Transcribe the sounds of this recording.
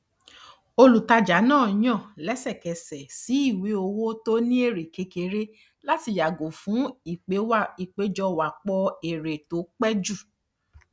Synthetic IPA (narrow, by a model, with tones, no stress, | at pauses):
o˧lu˨ta˧d͡ʒa˨˦nãː˦˨˦j̃ã˦˨lɛ˨˦sɛ˦˨kɛ˨sɛ˨si˨˦i˦˨we˨˦o˧wo˦to˦nĩ˦e˦˨ɾe˨ke˧˦ke˧˦ɾe˦ | la˦ti˧ja˨ɡo˨fũ˨˦i˦˨k͡pe˨˦wa˦i˨k͡pe˨˦d͡ʒɔ˧wa˨k͡pɔ˧e˨ɾe˨to˨˦k͡pɛ˦d͡ʒu˦˨